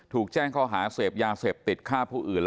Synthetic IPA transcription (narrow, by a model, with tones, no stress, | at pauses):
t̪ʰuː˨˩k̚t͡ɕɛː˥˩ŋkʰɔː˥˩ɦaː˩˦seː˨˩p̚jaː˧seː˨˩p̚t̪i˨˩t̪̚kʰaː˥˩pʰuː˥˩ʔɯː˨˩nl